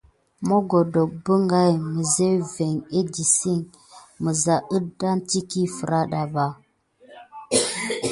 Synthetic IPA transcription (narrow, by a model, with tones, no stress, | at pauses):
mo˦ɡo˨do˨k̚bə˦ŋɡa˦jmə˨ze˦ve˨ŋe˦di˨si˦˨ŋ | mə˨za˨ʔə˦da˦nti˦ki˦fə˨ɾa˦ɗa˨ba˨